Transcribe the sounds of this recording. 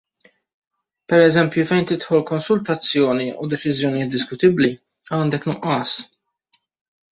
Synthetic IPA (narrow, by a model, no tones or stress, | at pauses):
pɛɾɛzɛmpjufɛjnt̪ɪt̪ħɔlkɔnsʊlt̪ɐt͡sːjɔːniud̪ɛt͡ʃɪzjɔnɪjɪːt̪̚d̪ɪskʊt̪ɪbli | ɐːnd̪ɛknʊʔɐːs